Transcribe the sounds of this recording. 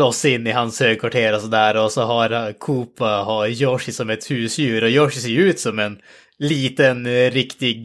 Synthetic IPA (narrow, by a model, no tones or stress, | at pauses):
ɔsːɪnːɪɦanshøːɡkʰʋaʈʰeːɾɔsɔd̪æːɾɔsɔɦaɾkʰuːpaɦajɔʂɪsɔmɛt̪hʉːsjʉ̟ːɾɔjɔʂseːʉːt̪sɔmɛn | liːt̪ənɾɪkt̪ɪɡ